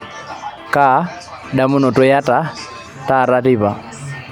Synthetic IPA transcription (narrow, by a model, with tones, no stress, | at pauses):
ka˨˦ | ɗa˨mʊ˦nɔ˨tɔ˦ja˦ta˦ | ta˦˨ɾa˦ti˦βa˨